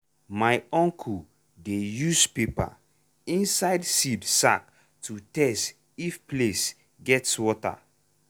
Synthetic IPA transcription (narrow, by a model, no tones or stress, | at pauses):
majɔ̃ŋkʰu | dejuzpepa̰ | ĩnsaɪdsidsa̰k̚ | tʰutɛst | ifples | ɡɛtswɔta̰